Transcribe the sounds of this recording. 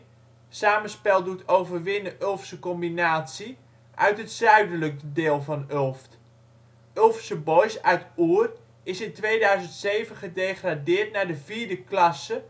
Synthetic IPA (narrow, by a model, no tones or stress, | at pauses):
saːməspɛlˠdutʰowvərʋɪnəʔølˠfsəkɔmbinaːtsi | ʔœ̰ɥtɦətsœɥdələk̚deːlˠvɑnølˠft | ølˠfsəbɔjsœɥtuər | ɪsɪntʋejdœɥzəntsejvənχədeːχradɪːɹtnadəviːɹdəklɑsə